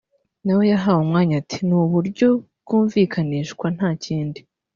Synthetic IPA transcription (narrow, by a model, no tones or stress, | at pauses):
nawe̞jaɦaːwumŋaːɲatinuːβuɾɟo̞bɡ̥uːɱviːkʰaniːʃkwan̥haːciːndi